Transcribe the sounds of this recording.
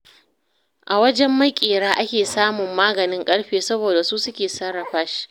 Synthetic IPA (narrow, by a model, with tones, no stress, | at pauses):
ʔa˨wɐ˦d͡ʒɛ˦mːɐ˦kʲʼeː˨ɽaː˦ʔa˦kʲeː˨saː˦mʊ˨mːaː˦ɡɐ˨nɪ˦ŋkʼɐ˦ɽɸeː˨sɐ˦boː˨da˨su˦sʊ˦kʲeː˨sɐ˦ɽːɐ˨ɸɐ˦ʃ